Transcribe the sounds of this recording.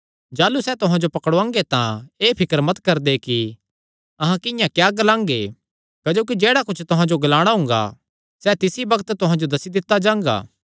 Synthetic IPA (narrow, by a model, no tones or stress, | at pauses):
d͡ʒaːlusɛt̪ʊɦãd͡ʒopɐkəɽoãːŋɡet̪ãeːpʰɪkəɾmɐt̪kɐɾd̪eki | ɐɦãkɪ̃jãkjaːɡɐlãːŋɡe | kɐd͡ʒoːk̬id͡ʒeːɽakʊt͡ʃʰt̪ʊɦãd͡ʒoɡɐlaːɽ̃aɦʊ̃ŋ̆ɡa̰ | sɛt̪ɪsibɐɡət̪t̪ʊɦãd͡ʒod̪ɐsid̪ɪt̪ːad͡ʒãːŋ̆ɡa̰ː